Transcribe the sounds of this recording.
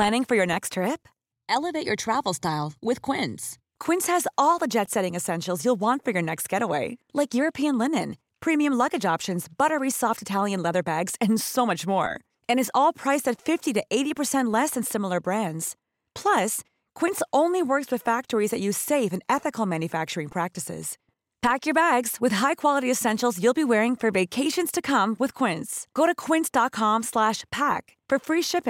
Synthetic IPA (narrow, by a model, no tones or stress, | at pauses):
pʰl̥æ̃ñɪ̃ŋfə˞jə˞nɛkstʰɹ̥ɪp̚ | ʔɛlˠəveɪt͡ʃə˞tʰɹ̥ævl̩ˠstaɪlˠwɪð̥kʰw̥ɪ̃ns | kʰw̥ɪ̃nshɨzɔlˠðəd͡ʒɛtsɛɾɪ̃ŋɨsɛ̃nʃl̩ˠzjulˠwɑ̃ntfə˞jə˞nɛkst̚ɡ̥ɛɾəweɪlaɪkjʊɹɨpʰiɨ̃nlɪnɨ̃n | pʰɹ̥ĩmiɨ̃mlʌɡɨd͡ʒɑpʃɨ̃nzb̥ʌɾə˞isɔftɨtʰælˠjɨ̃nlɛðə˞bæɡz̥ɨ̃nsoʊmʌt͡ʃmɔ̰ɹ | ɨ̃ñɨzɔlˠpʰɹ̥aɪsɨtfɪftiɾɨʔeɪɾipə˞sɛ̃nʔˡlɛsɨ̃nsɪ̃ml̩ˠə˞bɹæ̃ndz̥ | pʰl̥ʌs | kʰw̥ɪ̃ntsõʊ̃nliwɜ˞kswɨð̥fæk̚tə˞izðɨt͡ʃʉz̥seɪfɨ̃nɛθɨkl̩ˠmæ̃njɨfæk̚t͡ʃə˞ɪ̃ŋpʰɹ̥æk̚tɨsɪ̰z̥ | pʰækjə˞bæɡz̥wɨð̥ɦaɪkʰw̥ɑlˠəɾiɨsɛ̃nʃl̩ˠzjʉlˠbiwɛɹɪ̃ŋfə˞veɪkʰeɪʃɨ̃nz̥tʰɨkʰʌ̃mwɨð̥kʰw̥ɪ̃ntsɡ̥oʊɾɨkʰw̥ɪ̃ntsd̥ɑt̚kʰɑ̃mslæʃpʰæk | fə˞fɹiʃɪpɪ̃ŋ